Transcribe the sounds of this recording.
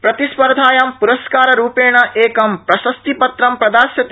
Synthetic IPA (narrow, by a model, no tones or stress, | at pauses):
pɾɐt̪ispɐɾd̪ʱaːjɐmpuɾɐskaːɾɐɾuːpeːɳɐʔeːkɐmpɾɐsɐst̪ipɐt̪ɾɐmpɾɐd̪aːsjɐt̪